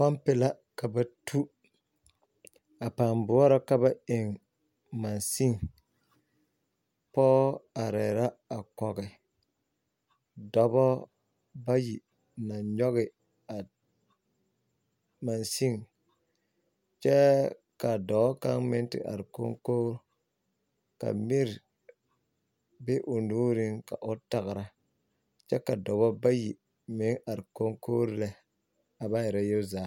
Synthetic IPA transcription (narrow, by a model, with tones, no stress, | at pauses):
ma˦mpɪ˨la˦ | ka˨ba˦tʰu˦ | a˨pa˨mbʊ˨˦ɔ˦ɾɔ˦ka˦ba˦e˨ŋ | ma˨nsi˦ŋ | pɔ˦a˨ɾɛ˨ɾa˦a˨kɔ˨ɡɛ˨ | dɔ˦bɔ˦ | ba˦ji˨ | na˨ɲɔ˦ɣɪ˨ | a˨ | ma˨nsi˦ŋ | t͡ʃɛ˦ | ka˨dɔ˨bɔ˦ka˦ŋmɪ˦n˦tɪ̰˨ʔa̰˨ɾko˦ŋkoː˦ɾ | ka̰˨mi˦ɾ | be˦ʔʊ˨nuː˦ɾi˦ŋka̰˨ʔʊ˦ta˨ɣɪ˨ɾa˦ | t͡ʃɛ˦ka˨dɔ˨βɔ˦ba˦ji˨ | mɪ˨˦ŋʔa˨ɾɪ˨ko˦ŋko˦ɾlɛ˨ | a˨ba˦jɛ˨ɾa˦jo˦zaː˨˦